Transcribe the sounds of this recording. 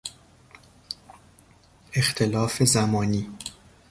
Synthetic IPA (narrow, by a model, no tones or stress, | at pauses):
ext̪ʰe̞lɒːfezæmɒːniː